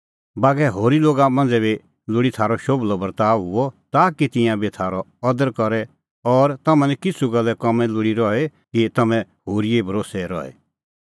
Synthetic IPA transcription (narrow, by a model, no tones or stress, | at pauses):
baːɡɛɦoːɾiloːɡamɐ̃nd͡zɛbi | lʊɽit̪ʰaːɾɔʃoːblɔbɐɾt̪aːɦʊɔt̪aːkit̪ɪ̃jãbit̪ʰaːɾɔɔd̪əɾkɔɾɛ | ɔːɾt̪ɐmɛ̃nɛkɪsʰuɡɐlːɛkɔmɛ̃lʊɽiɾɔɛkit̪ɐmɛ̃ɦoːɾiebʱɐɾoːsɛɾɔ̰ɛ̰